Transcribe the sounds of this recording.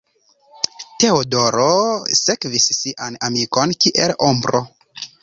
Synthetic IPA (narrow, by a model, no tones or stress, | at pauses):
te̞odoɾosekvisːiʔanamiko̞nkiʔe̞lombɾo̰